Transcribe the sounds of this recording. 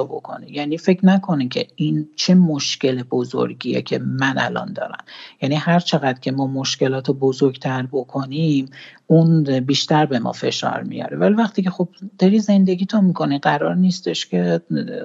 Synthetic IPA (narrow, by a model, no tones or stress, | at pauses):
obo̰kʰo̞̰nejæniːfe̞cʰnækʰo̞necʲʰe̞̰int͡ʃʰe̞moʃce̞lebozo̰ɾɟiḛcʰe̞mænʔælɒ̰nd̪ɒ̰ːɾæ̰mjænihæɾt͡ʃʰe̞ɣæd̪cʰe̞mɒːmo̞ʃce̞lɒːt̪ʰebozoɾɡt̪ʰæɾbokʰonimunbiːʃt̪æɾbe̞mɒ̰fe̞̰ʃɒ̰ːɾmḭjɒ̰ɾevælivæxt̪icʰe̞xob̥̚d̪̥ɒɾize̞nd̪e̞ɡiːt̪ʰomikʰo̞niɢæɾɒːɾniːst̪e̞ʃcʰe̞